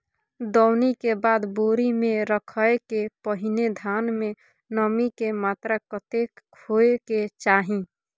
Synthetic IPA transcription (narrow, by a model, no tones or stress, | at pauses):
d̪ɔʊnikebaːd̪boːɾimẽɾəkʰəekepəɦɪned̪ʱaːnmẽ | nəmikemaːt̪ɾakət̪ekʰoeket͡ʃaːɦĩ